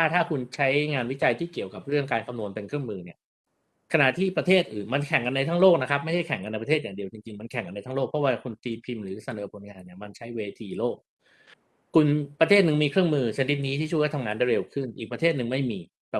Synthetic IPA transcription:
tʰaː˥˩t̪ʰaː˥˩kʰu˧nt͡ɕʰa˦˥jŋaː˧nwi˦˥t͡ɕa˧jt̪ʰiː˥˩ki˨˩əwka˨˩p̚ɾɯ˥˩əŋkaː˧nkʰa˧mnu˧ənpe˧nkʰɾɯ˥˩əŋmɯː˧ni˥˩ɐ | kʰa˧na˨˩ʔt̪ʰiː˥˩pɾa˧t̪ʰeː˥˩t̪̚ʔɯː˨˩nma˧nkʰɛ˨˩˦ŋka˧na˧jt̪ʰaː˥ŋloː˥˩k̚na˦˥kʰp̚ma˥˩jhʰa˥˩jkʰɛ˨˩˦ŋka˧na˧jp̬a˧eː˥˩t̚jaː˨˩ŋdi˧əwt͡ɕi˧ŋt͡ɕi˧ŋma˧nkʰɛ˨˩˦ŋka˧nːa˧jt̪ʰaː˥loː˥˩k̚pʰɔ˥waː˧kʰu˧nt̪iː˧pʰi˧mɾɯː˩˦sa˧nɤː˨˩˦pʰo˨˦nŋaː˧nːi˥˩ɐma˧nt͡ɕʰa˦˥jweː˧t̪ʰiː˧loː˥˩k̚ | kʰu˧npɾa˧t̪ʰeː˥˩nɯ˨˩ŋmiː˧kʰɾɯ˥˩əŋmɯː˧t͡ɕʰa˧ni˦˥t̪̚niː˦˥t̪ʰi˥˩u˥˩waː˥˩t̪ʰŋaː˧nda˥˩ɾe˧wkʰɯ˥˩nʔiː˨˩k̚pɾa˧t̪ʰeː˥˩t̪̚nɯ˨ŋma˥˩jmiː˧ | bɛ˨˩

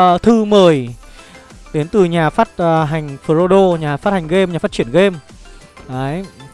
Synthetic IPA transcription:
t̪ʰɨ˧məː˨˩j | ɗe˨˦nt̪ɨ˨˩ɲaː˨˩faː˦˥t̚ːɦa˨˩jŋ̟fɨ˨˩o˧ɗo˧ɲaː˨˩faː˦˥t̚ha˨˩ŋ̟ɣe˧mɲaː˨˩faː˦˥t͡ɕi˧˩ənɣe˧m | ʔəː˨˦j

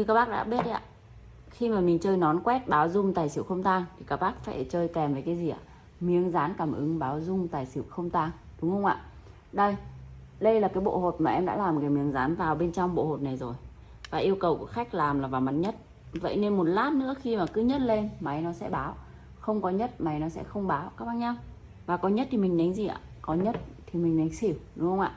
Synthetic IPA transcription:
ɲɨ˧kaː˧˥k̚ɓaː˦˥ɗa̰ː˧˥ɓi˦˥ət̚ʔa̰ː˧˨ | xi˧maː˨˩mï˨˩ŋ̟t͡ɕəː˧jnɔ˨˦nkwɛ˦˥t̚ɓaː˨˦wzʊ˧ŋ͡mt̪aː˨˩jsi˧˩əwxə˧wŋ͡mt̪aː˧ŋt̪ʰi˨˩kaː˦˥k̚ɓaː˦˥k̚fa̰ː˧˩jt͡ɕəː˧jkɛ˨˩mvə˨˩kaː˨˦zi˨˩ʔa̰ː˧˨˩ | mi˨˩əŋzaː˨˦nkaː˧˩mʔɨ˨˦ŋɓaː˨˦wzʊ˧ŋ͡mt̪aː˨˩jsi˧˩əwxə˧wŋ͡mt̪aː˧ŋɗʊ˨˦ŋ͡mhə˧wŋ͡mʔa̰ː˧˨ | ɗə˧j | ɗə˧jlaː˨˩kaː˨˦jɓo̰˧˨ho˨˩t̚maː˨˩ʔɛ˧mɗa̰ː˧˥laː˨˩mkaː˨˦mi˨˦əŋzaː˨˦nvaː˨˩wɓe˧nt͡ɕɔ˧wŋ͡mɓo̰˧˨ho˨˩t̚na˨˩jzo˨˩j | vaː˨˩ʔi˧əwkə˨˩wku˧˩əxa˦˥jk̟̚laː˨˩mlaː˨˩vaː˨˩ma˨˦t̚ɲə˦˥t̚ | və̰˧˨jne˧nmo˨˩t̚laː˦˥p̚nɨ̰˧˥ə˦xi˧maː˨˩kɨ˨˦ɲə˦˥t̚le˧nma˨˦jnɔ˨˦sɛ̰˧˥ɓaː˨˦w | xə˧wŋ͡mkɔ˨˦ɲə˦˥t̚ma˨˦jnɔ˨˦sɛ̰˧˥xə˧wŋ͡mɓaː˨˦wkaː˦˥k̚ɓaː˧˨nɲa˧w | vaː˨˩kɔ˨˦ɲə˦˥t̚t̪i˨˩mï˨˩ŋ̟ɗa˨˦ŋ̟zi˨˩ʔa̰ː˧˨kɔ˨˦ɲə˦˥t̚t̪ʰi˨˩mï˨˩ŋ̟ɗa˨˦jŋ̟si˧˩wɗʊ˨˦ŋ͡mhə˧wŋ͡mʔa̰ː˧˨

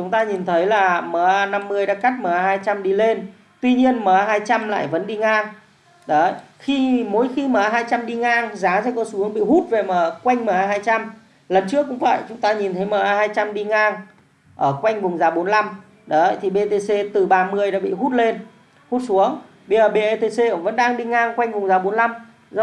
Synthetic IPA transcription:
t͡ɕʊ˨˦ŋ͡mt̪aː˧ɲi˨˩nt̪ʰə˨˦jlaː˨˩məː˨˦ʔaː˧na˧mːɨ˧əjɗa̰ː˧˥ka˦˥k̚məː˨˩ʔaː˧haː˧jt͡ɕa˧mɗi˧le˧n | t̪wi˧ɲi˧ənməː˨˦ʔaː˧ɦaː˧jt͡ɕa˧mla̰ː˧˨jvə̰˧˨˦nɗi˧ŋaː˧ŋ | ɗə˨˦ə̰˧˨jxi˧mo˨˦jxi˧məː˨˦a˧ɦaː˧jt͡ɕa˧mɗi˧ŋaː˧ŋzaː˨˦sɛ̰˧˥kɔ˨˦su˨˦əŋɓḭ˧˨hu˦˥t̚ve˨˩məː˨˩kwa˧jŋ̟məː˨˩˦ʔaː˧ɦaː˧jt͡ɕa˧m | lə˨˩nt͡ɕɨ˦˥əkːkʊ̰˧˥ŋ͡mfa̰ː˧˨jt͡ɕʊ˨˦ŋ͡mt̪aː˧ɲi˨˩nt̪ʰə˨˦jməː˨˩ʔaː˧haː˧jt͡ɕa˧mɗi˧ŋaː˧ŋ | ʔəː˧˩kwa˧jŋ̟vʊ˨˩ŋ͡mzaː˨˩ɓo˨˦nla˧m | ɗə˨˦ə̰˧˨jt̪ʰi˨˩ɓe˧t̪e˧se˧t̪ɨ˨˩ɓaː˧mɨ˧˩əjɗa̰ː˧˥ɓḭ˧˨ɦu˦˥t̚le˧n | hu˦˥t̚su˨˦əŋ | ɓi˧˩əː˨˩ɓe˧ʔe˧t̪e˧se˧˩və̰˧˥nɗaː˧ŋɗi˧ŋaː˧ŋkwa˧jŋ̟vʊ˨˩ŋ͡mzaː˨˩ɓo˨˦nla˧m | z

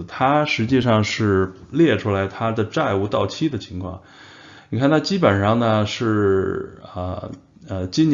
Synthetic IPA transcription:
t̪ʰa˥ʂɻ̩˧˥t͡ɕi˥˧ʂɑ˥˧ŋʂɻ̩˥˩ljɛ˥˩ʈ͡ʂʰu˥la˧˥ɪt̪ʰa˥d̪ə˨ʈ͡ʂa˥˧ɪu˧˥˧t̪ɑ˥˩ʊt͡ɕʰi˥d̪ə˨t͡ɕʰi˧˥ŋkʰwɑ̰˥˩ŋ | ni˨˩kʰa˥˩nt̪ʰa˥t͡ɕi˥pə˨˩nʂɑ˥˩ŋnə˩ʂɻ̩˥˩ | ə̰˧ | ə˧t͡ɕi˥n

